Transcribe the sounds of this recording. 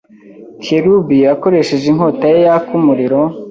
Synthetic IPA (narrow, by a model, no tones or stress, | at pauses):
kʰeɾubiako̞ɾe̞ʃeʒiŋɦo̞tajejakumuɾiɾo